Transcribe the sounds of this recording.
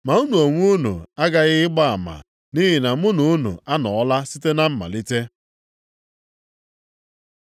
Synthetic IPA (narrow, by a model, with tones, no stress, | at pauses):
ma˨u˦nu˨o˨ŋʷ˦u˦nṵ˨a˦ɡa˨ɣɪ˦ɪ˦ɡ͡ba˦a˨ma̰˨ | ni˦ɦi˨na˨m̩˦ʊ˦nu˨˦nṵ˨a˦nɔ˨ɔ˦la˦si˦te˦na˦m̩˦ma̰˨li˦te˦